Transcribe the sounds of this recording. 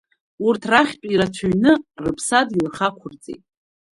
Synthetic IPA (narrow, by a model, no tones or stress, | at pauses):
urtʰraχʲtʼiɾat͡ʃʷʰuɥnɨrɨpʰsadilχakʷʰʊrt͡sʼḛjtʼ